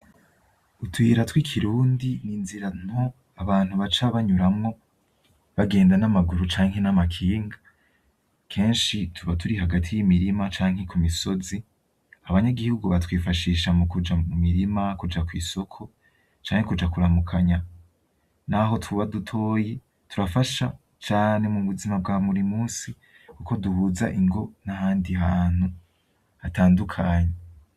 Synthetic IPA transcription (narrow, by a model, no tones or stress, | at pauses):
utwiɾatwikʰiɾuːndininziɾan̥ho̞ | aβaːn̥huβat͡ʃaβaɲuɾamŋo̞ | βaɡe̞ːndanamaɡuɾut͡ʃaːŋhe̞namakʰiːŋɡa | kʰe̞ːnʃitʰuβatuɾihaɡatʰijimiɾimat͡ʃaːŋ̥he̞kumiso̞zi | aβaɲaɡihuɡuβatwiːfaʃiːʃamukud͡ʒamumiɾimakud͡ʒakwiːso̞kʰo̞ | t͡ʃaːŋhekud͡ʒakuɾamukʰaɲa | naɦo̞twuβadutʰo̞ːje | tuɾafaʃa | t͡ʃaːne̞muβuzimab̚ɡaːmuɾimuːsi | kuko̞duhuːza̰ʔiŋɡo̞nahaːndihaːn̥hu | ataːndukʰaːɲe